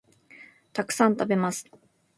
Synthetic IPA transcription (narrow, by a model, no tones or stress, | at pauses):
t̪ʰaksant̪abimast̪